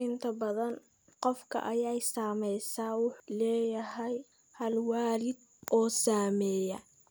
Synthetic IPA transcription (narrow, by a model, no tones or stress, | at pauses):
ɪnt̪ʰɐbɐðɐn | qɔfkʰɐ̰ʔɐjɛjsaːmɛjsaːwʊħlɛːjɐɦɛj | hɐlwaːlɪd̪ | ʔɔːsaːmɛːjɐ